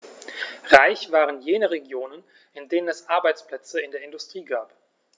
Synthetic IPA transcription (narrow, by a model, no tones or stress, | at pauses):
ʁaɪçv̥aːʁənjeːnəʁeɡjoːnən | ɪndeːnənɛsʔaɐbaɪt͡spl̥ɛt͡səɪndeːɐɪndʊstʁ̥iːɡaːp